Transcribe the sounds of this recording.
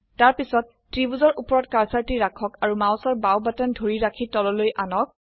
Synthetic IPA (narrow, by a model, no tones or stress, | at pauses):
taɹpisɔtːɹibuzɔɹʔupɔɹɔt̚kaɹsaɹtiɹakʰɔkaɹumawsɔɹbawbatandʱoɹiɹakʰitɔlɔlojʔanɔk̚